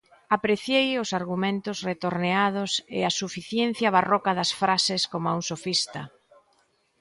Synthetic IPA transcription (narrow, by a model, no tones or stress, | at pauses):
apɾeθjejʊsaɾɣumẽnt̪ʊzret̪oɾneaðʊsḛasufiθjen̟θjɐβ̞arɔkɐðɐsfɾasɪskomauŋsofist̪ɐ